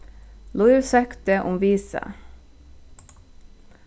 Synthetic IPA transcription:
lʊɪʋsœkt̪əʔʊmʋiːsə̰

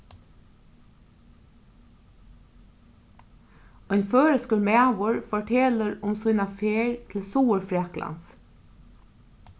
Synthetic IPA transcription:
ɔjnføːɾəskəɾmæːʋʊɹfɔʈʰɛːləɾʊmsujnafeːɹt̪ʰɪlsuːəɹfɾɛklʔa̰ns

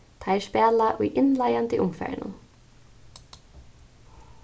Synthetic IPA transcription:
t̪ʰajɛspɛːlaʔʊjʔɪnlajant̪ɪʔʊmfɛ̰ːɹɪ̰nʊ̰n

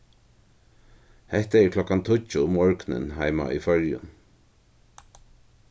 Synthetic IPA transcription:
hɛht̪aɛɹkʰlɔkant̪ʰʊt͡ʃːʊʊmːɔɹknɪ̰nɦajma̰ifœɹjʊ̰n

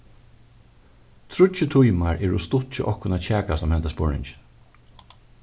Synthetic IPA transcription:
t̪ʰɾʊt͡ʃɪt̪ʰʊjmaɹʔɛːɹʊst̪ʊht͡ʃɪʔɔhkʊnat͡ʃʰɛːkasɔmhɛnt̪aspʊɹɪ̰nt͡ʃ

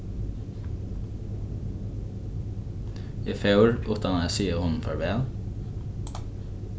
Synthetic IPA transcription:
iːfɑʉɹʔʉːt̪d̪ɑnɑæsiːəhʊnn̩fɔɹbeːl

